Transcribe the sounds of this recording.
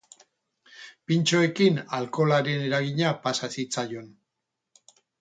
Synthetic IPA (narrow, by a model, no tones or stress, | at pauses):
pint͡ʃo̞e̞kinalko̞laɾe̞ne̞ɾaɣiɲapasasit͡sajo̞n